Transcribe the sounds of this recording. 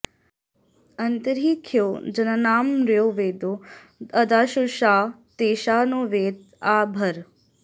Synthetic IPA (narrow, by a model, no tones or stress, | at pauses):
ənt̪əɾiːkʰjoːd͡ʒənənaːmɾjoːʋeːd̪oː | əd̪aːʃuʃaː | t̪eːʃaːnoːʋeːt̪̚ | aːbʱəɾ